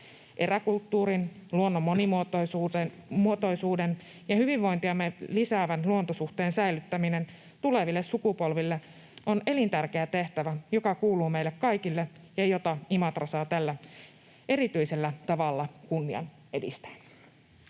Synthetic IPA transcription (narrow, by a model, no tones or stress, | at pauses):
ʔe̞ɾækult̪ːuːɾinluo̞nːomːonimo | muot̪o̞isuːden | jɑhyʋiʋʋo̞jnt̪iɑmːelisæːʋænluont̪osuht̪e̞ːnsæjlyt̪ːæmine̞n | t̪ule̞ʋilːe̞ssukupo̞lʋilːe | ʔone̞lint̪ærke̞æt̪e̞ht̪æʋæjo̞kɑkuːluːme̞jlːekkɑjkilːe | jɑjo̞t̪ɑimɑt̪rɑsɑːt̪ælːæ | e̞ɾit̪yise̞lːæt̪ɑʋɑlːɑkunːiɑ̰n | e̞dḭst̪æ̥ː